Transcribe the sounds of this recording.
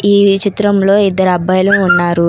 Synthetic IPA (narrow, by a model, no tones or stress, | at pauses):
iːt͡ʃit̪ɾɐmlo̞ːid̪ːɐɾɐbɐjɐluːnːaːɾu